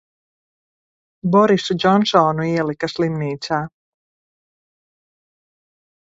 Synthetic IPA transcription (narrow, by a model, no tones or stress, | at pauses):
bɔɾisud͡ʒɔnʃɔːnuiɛlˠikaslˠimniːt̪saː